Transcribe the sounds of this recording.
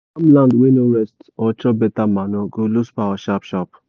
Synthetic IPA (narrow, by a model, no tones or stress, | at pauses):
amlãndwenoɾɛstɔt͡ʃɔbetamanɔɡoluspaaʃapʃɔp